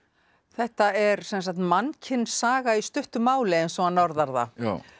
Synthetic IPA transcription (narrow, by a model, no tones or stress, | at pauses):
θɛht̪aɛɾsɛnsak̚t̪mancʰɪnsaːɣaist̪ʏht̪ʏmaːwlɛɛnsvɔanɔɾðaɾða̰